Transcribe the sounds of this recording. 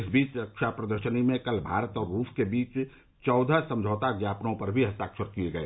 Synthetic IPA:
ɪsbiːt͡ʃɾɐkʃapɾəd̪əɾʃənimẽkɐlbʱaːɾət̪ɔːɾːuːʃkebiːt͡ʃ | t͡ʃɔːd̪ʱəsə̃md͡ʒʱəːt̪aɡjaːpnõpɐɾbʱiɦɐst̪aːkʃəɾkieɡɐḛː

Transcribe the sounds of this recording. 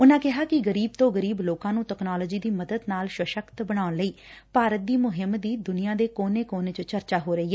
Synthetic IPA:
ʊnãːkɪɦaːkɪɡəɾiːb̚t̪õːɡəɾiːbloːkãːnũːʈɛːknaːlɔːd͡ʒiːd̪iːməd̪əd̪naːlʃwəʃəkt̪bəɽ̃aːʊnləiːpaːɾət̪̚d̪iːmʊɦɪmd̪iːd̪ʊnɪjãːd̪eːkoːneːkoːneːt͡ʃət͡ʃəɾt͡ʃaːɦoːɾəiːɦɛː

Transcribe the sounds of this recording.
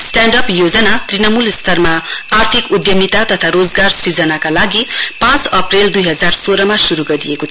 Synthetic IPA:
sʈaɳɖʌpjod͡zʌnat̪rinʌmulst̪ʰʌrmaːrt̪ʰikud̪jʌmit̪at̪ʌt̪ʰaɾod͡zɡarsrid͡zʌnakalaɡipãt͡sʌpreld̪ujɦʌd͡zarsoɾʌmasuɾuɡʌɾijekot̪ʰ

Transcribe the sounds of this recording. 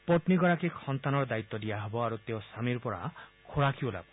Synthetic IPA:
pɔʈniɡɔɾakekʰɔnt̪anɔɾɔd̪ait̪ːɔdijaɦebɔaɾut̪eosamiɾpɔɽa̰kʰoɽakʰiola̰bɔ

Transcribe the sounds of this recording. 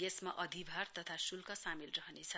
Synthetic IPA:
esmaʔʌd̪ʱibʱart̪ʌt̪ʰasulkʌsamilrʌɦʌnet͡sʰʌ

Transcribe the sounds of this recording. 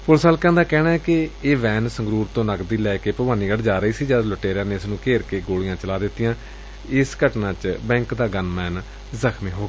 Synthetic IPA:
pʊlsaːlkɛ̃ːnd̪aːkɛːnaːɛkɪeːʋɛːnsəŋɡɾuːɾt̪õːnəɡd̪iːlɛːkeːpəbaːniːɡəɽd͡ʒaːɾəiːsiːd͡ʒaːd̪ləʈeːɾjãːneːɪsnũːkeːɾkeːɡoːɽɪjãːt͡ʃəlaːd̪ɪt̪ːɪjãː | ɪskəʈnãːt͡ʃbɛ̃ːŋkd̪aːɡənmɛːn | zəkʰmĩːɦoːɡː

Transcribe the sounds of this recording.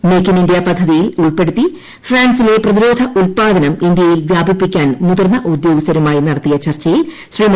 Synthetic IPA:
mekːinindijapɐd̪ʱːɐðijiluɭpe̞ɽut̪ːi | fraːnsile̞prɐðiɾo̞ːd̪ʱɐʔulpaːd̪ɐnɐmind̪ijɐjilʋjaːbipːikʲːaːnmuðɐrnɐʔud̪jo̞ːɡist̪ɐɾumaːjinɐɽɐt̪ːijɐt͡ɕɐrt͡ɕːɐjil | ɕriːm

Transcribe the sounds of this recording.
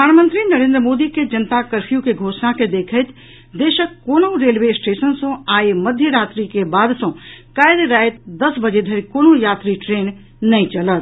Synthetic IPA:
pəp̪d̪ʱaːnmənt̪ɾinəɾẽnd̪ɾəmod̪iked͡ʒənt̪akəɾpʰijukeɡʱosnaked̪ekʰəjt̪ʰ | d̪eʃəkkːonoɾelbesʈesənsə̃aeməd̪ʱjəɾat̪ɾikebad̪sə̃kajd̪ɾajt̪d̪əsbəd͡ʒed̪ʱəɾikonojat̪ɾiʈɾen | nəĩt͡ʃələt̪

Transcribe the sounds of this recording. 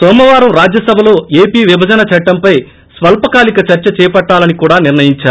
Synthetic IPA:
sɔːmɐʋaːɾɐmɾaːd͡ʒjɐsɐbʱɐlo̞ːe̞ːpiːʋibʱɐd͡ʒɐnɐt͡ʃɐʈːɐmpɐj | sʋɐlpɐkaːlikɐt͡ʃɐɾt͡ʃɐt͡ʃɛːpɐʈːaːlɐnikuːɽaːniɾnɐjiɲt͡ʃaːɾ

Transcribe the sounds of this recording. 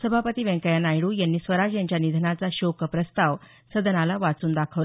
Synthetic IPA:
səbʱapət̪iːʋɛ̃ŋkəjanajɽuːjanːiːsʋəɾad͡ʑjaɲt͡ɕjanid̪ʱənat͡saɕokəpɾəst̪aʋ | səd̪ʱənalaʋat͡suːnd̪akʰəʋ

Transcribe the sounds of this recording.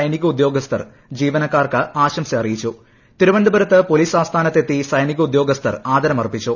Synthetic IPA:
ɐjniɣɐud̪jo̞ːɡɐst̪ʰɐ̰r | d͡ʑiːʋɐnɐkːaːrkɨaːɕɐmsɐɐrijit͡ɕːu | t̪iɾuʋɐɳɖ̪ɐbɐɾɐt̪ːɨpo̞liːsaːst̪ʰaːnɐt̪ːe̞t̪ːisɐjniɣɐud̪jo̞ːɡɐst̪ʰɐ̰raːd̪ɐɾɐmɐrpit͡ɕːu

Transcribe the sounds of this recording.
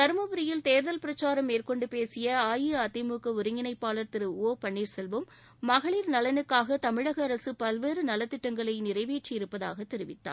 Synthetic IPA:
t̪ɐɾɯmɐbɯɾɪjɪlt̪eːɾðɐlpɪɾɐt͡ʃːaːɾɐmːeːrkɔɳɖɯpeːsɪjɐaːjiɐt̪ːɪmuːkɐʊɾɪŋɡɪnɐɪpːaːlɐɾt̪ɪɾɯoːpɐɳːiːɾsɛlʋɯmː | ɐɣɐɭiːɾnɐlɐnɯkːaːɣɐt̪ɐmɪɻɐɣɐːɾɐsɯpɐlʋeːɾɯnɐlɐt̪ːɪʈːɐŋɡɐɭɐɪnɪɾɐɪʋeːʈt͡ʃːɪjɪɾɯpːɐða̰ːɣɐt̪ːɛɾɪʋɪt̪ːa̰ː

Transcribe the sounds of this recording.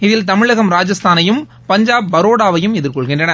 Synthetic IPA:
ɪðɪlt̪ɐmɪɻɐɣɐmɾaːd͡ʒɐst̪ʰaːnɐjɯm | pɐɲd͡ʒaːbbɐɾoːɽaːʋɐjɯmɛðɪɾkɔɭɣɪndrɐnɐ

